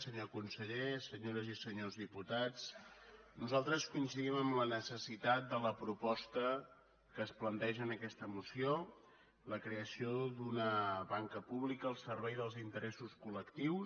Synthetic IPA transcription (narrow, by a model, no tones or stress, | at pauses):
səɲokunsəʎesəɲoɾəzisəɲozðiput̪at͡s | nuzalˠt̪ɾəskuinsiðiməmlənəsəsit̪at̪̚d̪ələpɾupɔst̪ə | kəːsplənt̪ɛʒənəkɛst̪əmusio | ləkɾeəsiod̪unəβaŋkəpuβlikəːlˠsəɾβɛjðəlˠzint̪əɾɛsuskuləkt̪iws